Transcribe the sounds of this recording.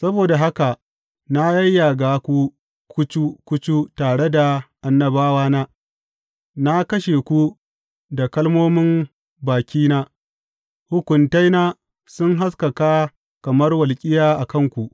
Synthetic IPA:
sɐ˦boː˨da˨ɦa˦ka˨ʔ | na˦jɐ˦jːa˨ɡaː˨kʷu˦ | kʷʊ˦t͡ʃu˦kʷʊ˦t͡ʃu˦taː˨ɽe˦da˨ʔa˨nːɐ˨baː˦waː˦naː˦ | na˦kɐ˦ʃe˨kʷu˦ | da˨kɐ˦lmoː˦mɪ˦m | baː˨kʲiː˦naː˦ | hʊ˦kʷʊ˨nta˦jnaː˦ | sʊ˦ŋɦa˦s̬kɐ˨kaː˦ | kɐ˨mɐ˦rwɐ˨lkʲʼɪ˦jaː˦ʔa˨kɐ˦ŋkʷu˨ʔ

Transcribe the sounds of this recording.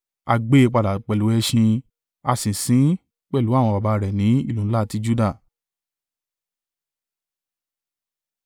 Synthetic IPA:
a˧ɡ͡be˦˧k͡pa˧da˨k͡pɛ˨lu˨˦ɛ˦˧ʃĩ˧ | a˧sĩ˨sĩ˨˦ | k͡pɛ˦˨lu˨˦a˦˨w̃ɔ̃˧ba˨ba˨˧ɾɛ˨nĩ˨˦ḭ˦˨lũ˨˦la˦˧ti˦d͡ʒu˦da˦˨

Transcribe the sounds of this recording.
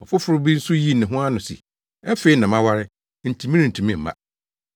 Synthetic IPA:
ɔ˨fʊ˦fʊ˦ɾʊ˦bi˦ɾsu˦ji˦˨nɪ̃˨ɦʊ̃˦a˦nʊ̃˨sḭ˨ | ɛ˦fe˨˦i˦nã˨mã˦wa˦ɾɪ˦ | n̩˨tʰĩ˨mĩ˦ɪ˨n̩˨tʰĩ˨mĩ˦m̩˨ma̰˦˨

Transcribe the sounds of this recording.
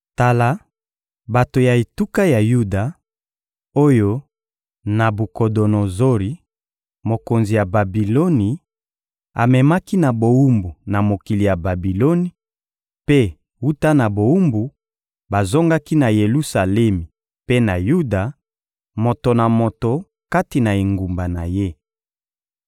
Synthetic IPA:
ta˨la˦ | ba˨to˨ja˨e˨tu˦ka˦ja˨ju˦da˨ | o˦jo˦ | na˨bu˨ko˨do˨no˨zo˦ʁi˨ | mo˨ko˨nzi˨ja˨ba˨bi˨lo˦ni˨ | a̰˨mɛ˨ma˦ki˦na˨bo˨wu˦mbu˨na˨mo˨ki˨li˨ja˨ba˨bi˨lo˦ni˨ | pe˦ | wu˦ta˦na˨bo˨wu˦mbu˨ | ba˨zo˦ŋɡa˦ki˦na˨je˨lu˦sa˨lɛ˦mi˨ | pe˦na˨ju˦da˨ | mo˨to˨na˨mo˨to˨ | ka˦ti˨na˨e˨ŋɡu˨mba˨na˨je˦

